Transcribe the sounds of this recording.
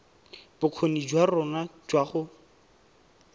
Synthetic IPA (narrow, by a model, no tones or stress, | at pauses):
b̥ʊq͡χʰonid͡ʒwarɔnad͡ʒwaχʊ